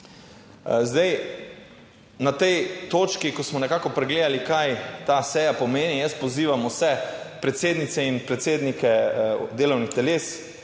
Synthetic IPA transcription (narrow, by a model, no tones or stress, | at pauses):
zd̪ɛj | nat̪ɛjt̪oːt͡ʃkikɔsmɔnɛkaːkɔpɾɛɡleːd̪alikajt̪asɛːjapɔmeːnijəst̪̚pɔziːʋamusɛpɾɛt̪seːd̪nit̪sɛinpɾɛt̪seːd̪nikɛd̪eːlɔwnixt̪ɛleːs